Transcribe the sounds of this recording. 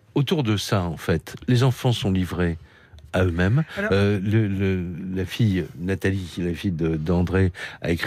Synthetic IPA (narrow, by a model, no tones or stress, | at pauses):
ot̪uʁd̪əsaɑ̃fɛt̪lezɑ̃fɑ̃sɔ̃livʁe | aømɛmølələlafijnat̪alilafijd̪əd̪ɑ̃d̪ʁea̰ekχ